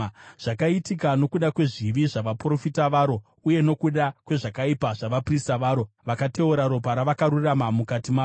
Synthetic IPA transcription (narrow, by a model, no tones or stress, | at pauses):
ʐ̥akaitikano̞kuɗakwe̞ʐiʋiʐaʋapro̞fitaʋaːɾo̞ | uje̞no̞kuɗakwe̞ʐakaipaʐaʋapristaʋaːɾo | ʋakate̞uɾaɾo̞p̬aɾaʋakaɾuramamukatimaː